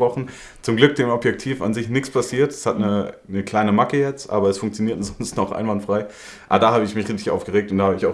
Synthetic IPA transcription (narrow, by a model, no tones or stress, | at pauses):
ʁɔχn̩ | t͡sʊmɡlʏk̚d̥eːmɔpjɛktʰiːfa̰nzɪçnɪçt͡spʰasiːɐtɛ̥shatnənəkl̥aɪnəmakəjɛt͡stʔa̰ːbɐɛsfʊŋk̚t͡sjoniːɐtzɔnstnɔχʔa̰ɪnvantfʁ̥aɪ | ʔa̰bɐdaːɦaːbəɪçmɪçʁeçtɪçʔa̰ʊfɡ̥əʁeːk̚tʊnd̥aːhaːbəɪçaʊ